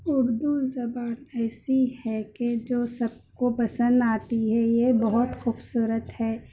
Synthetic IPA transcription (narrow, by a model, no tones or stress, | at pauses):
ʊɾd̪uzɐbaːnɛːsihɛked͡ʒoːsɐb̚kopɐsə̃nd̪aːt̪iɦɛjebɐɦʊt̪xuːbsuːɾət̪hɛː